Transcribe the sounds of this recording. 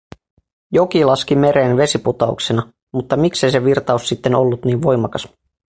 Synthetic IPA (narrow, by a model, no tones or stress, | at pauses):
jo̞kilɑskime̞ɾeːnʋe̞siput̪ɑṵksenɑ | mut̪ːɑmikse̞js̬e̞ʋirt̪ɑusːit̪ːe̞no̞lːut̪niːʋʋo̞jmɑkɑs